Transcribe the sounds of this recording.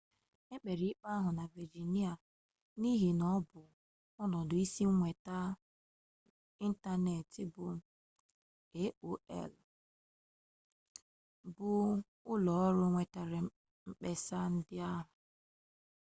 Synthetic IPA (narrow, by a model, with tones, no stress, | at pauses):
e˦k͡pe˨ɾi˨˦k͡pa˦a˦ɦʊ˨na˨vi˨d͡ʒi˨ni˦a˨ | ni˦ɦi˨nɔ˦bʊ˨ | ɔ˦nɔ˨dʊ˨i˦si˦ŋʷe˨ta˦ | i˦n̩˦ta˦ne˨tɪ˦bʊ˨ | e˦o˦ɛ̰˦˨l | bʊ˨ | ʊ˦lɔ˨ɔ˦ɾʊ˦ŋʷe˨ta˨ɾɪ˨ | m̩˦k͡pe˦sa˦n̩˦dɪ˦a˦ɦʊ˨